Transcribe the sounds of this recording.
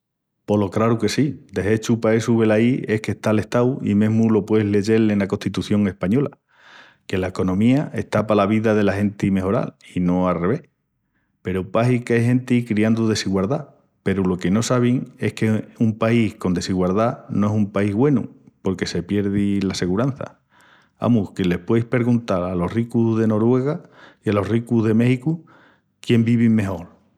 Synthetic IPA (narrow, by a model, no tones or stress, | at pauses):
po̞lo̞kɾaɾuke̞sid̪e̞ɦe̞t͡ʃupaesuβe̞laie̞hke̞ht̪aːle̞ht̪awḭmẽ̞ɦmulo̞pwe̞ɦle̞ʝe̞lenako̞nt̪it̪uθjo̞ŋe̞hpaɲo̞la̰ | ke̞laeko̞nõ̞miaʔe̞ht̪apalaβ̞iðaðe̞lahe̞nt̪ime̞ɦo̞ɾa̰lino̞alre̞β̞e̞h | pe̞ɾupaɦikeɦẽ̞nt̪ikɾiand̪uðe̞siɣwalða | pe̞ɾulo̞ke̞no̞saβ̞iŋe̞hkeumpaihko̞nd̪e̞siɣwalðanõ̞e̞sumpaiɦɣwe̞nṵpo̞ɾke̞se̞pje̞ɾðilase̞ɣuɾan̟θa̰ | a̰muhkele̞hpwejhpe̞ɾɣunt̪alalo̞hrikuzðe̞no̞ɾwe̞ɣaialo̞hrikuzðe̞me̞hiku | kje̞mbiβime̞ɦo̞ɾ